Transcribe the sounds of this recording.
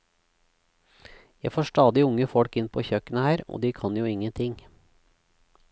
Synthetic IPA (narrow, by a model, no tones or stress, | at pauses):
jæɪfoːʂʈɑːd̪ɪʊŋəfɔɽkɪnpʰoːçœkənəhæːɾo̰ːd̪iːkʰɑnjuːɪŋːənt̪ʰɪŋ